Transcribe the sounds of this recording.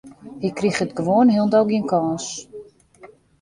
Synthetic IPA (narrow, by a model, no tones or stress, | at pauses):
hikrixətɡəʋoənɦilˠndɔlˠɡiənkɔːs